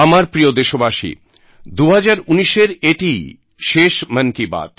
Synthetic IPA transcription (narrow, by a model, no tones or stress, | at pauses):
amaɾpɾijod̪eʃobaʃḭ | d̪uɦad͡ʑaɾuniʃeɾeʈi | ʃeʃmənkiba̰t̪